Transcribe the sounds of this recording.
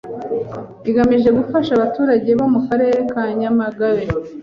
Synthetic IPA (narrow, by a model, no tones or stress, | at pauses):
iɡamiʒe̞ɡufaʃaβatuːɾaɟe̞βo̞mukaɾe̞ːɾe̞kaɲamaɡaɾe